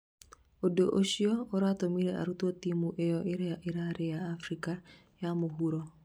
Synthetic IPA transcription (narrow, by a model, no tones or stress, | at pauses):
odoʔoʃiɔoɾatomiɾɛʔa̰ɾutɔt̪imuʔejɔʔeɾeaʔeɾaɾejaːfɾika | jamoɦuɾɔ